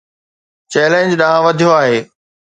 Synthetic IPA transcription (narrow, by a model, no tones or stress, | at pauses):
t͡ɕɛːlẽnd͡ʑɗaːãʋɐd̪ʱijoaːɦeː